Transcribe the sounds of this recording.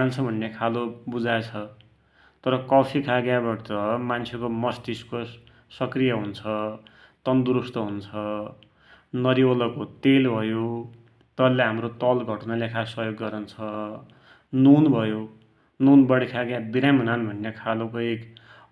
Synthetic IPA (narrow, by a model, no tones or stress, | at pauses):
nt͡sʰʌbʱʌnːekʰalobud͡zajt͡sʰʌ | t̪ʌɾʌkʌpʰikʰaɡjabʌtʌmant͡sʰekomʌst̪isko | sʌkrijʌɦunt͡sʰʌ | t̪ʌnd̪uɾust̪ʌɦunt͡sʰʌ | nʌɾiolʌkot̪elbʱʌjo | t̪ʌlːeɦamrot̪ʌlɡʱʌʈnalekʰasʌɦjoɡːʌɾʌnt͡sʰʌ | nunbʱʌjo | nunbʌɽikʰaɡjabiɾamʌnanbʱʌnːekʰalokok